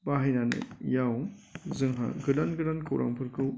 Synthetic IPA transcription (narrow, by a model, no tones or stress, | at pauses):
baɦajnanɯ̰jawzɯŋɦa̰ɡɯdanɡɯdankʰɯwɾʔa̰ŋpʰɯɾkʰɯ